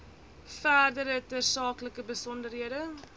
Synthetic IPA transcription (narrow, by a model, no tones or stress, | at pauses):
fæːrdəɾətərsɑːkləkəbəsɔndərɦiədə